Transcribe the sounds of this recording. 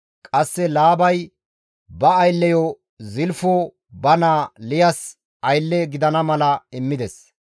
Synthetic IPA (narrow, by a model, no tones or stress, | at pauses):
kʼɐsːɛlaːbɐj | bɐːjlːɛjɔ | zɪlfo | bɐnaːlɪjɐs | ɐjlːɛɡɪd̪ɐnɐmɐlɐɪmːɪd̪ɛs